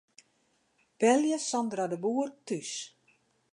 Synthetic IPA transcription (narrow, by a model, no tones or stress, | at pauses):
b̥ɛljəsɔndradəbuərtys